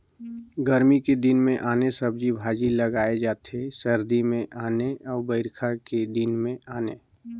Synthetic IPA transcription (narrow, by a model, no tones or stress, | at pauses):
ɡəɾmiked̪ɪnmẽʔaːnesəbd͡ʒibʱaːd͡ʒiləɡaːed͡ʒaːt̪ʰesəɾd̪imẽʔaːneɔːɾbəɪɾkʰaked̪ɪnmẽaːne